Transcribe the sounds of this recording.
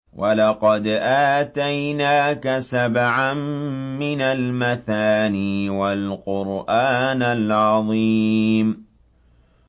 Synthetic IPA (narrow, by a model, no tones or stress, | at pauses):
wʔalɑqɑd̪ʔaːt̪ajnaːkasabʕamːɪnalmaθaːniːwalqʊɾʔaːnalʕɑðˤim